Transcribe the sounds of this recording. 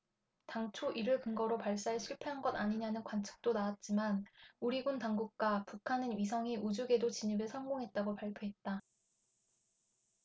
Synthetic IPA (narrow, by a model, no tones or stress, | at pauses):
taŋt͡ɕʰoʔiɾɯɭkɯŋɡʌɾopaɭs͈aeɭɕʰiɭpʰe̞ɦanɡʌdaɲiɲanɯnkwant͡ɕʰʌ̥k̚t͈onawat̚t͡ɕ͈imanuɾiɡuntaŋɡuk̚k͈wapukʰanɯnɥis̬ʰʌŋiʔud͡ʑuɡe̞dot͡ɕiɲibesʰʌŋɡoŋɦe̞t̚t͈aɡopaɭpʰjoɦe̞t̚t͈a